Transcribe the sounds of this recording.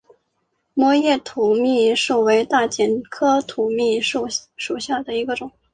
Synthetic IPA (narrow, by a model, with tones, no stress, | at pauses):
mwɔ˧˥jɛ˥˩t̪ʰu˨˩mi˥˩˧ʂu˥˩we˧˥ɪt̪a˥˩t͡ɕjɛ˨˩nkʰɤ˥t̪ʰu˨˩mi˥˩˥ʂu˨˩ɕja˥˩d̪ə˩i˧˥ɡə˧ʈ͡ʂʊ˨˩˦ŋ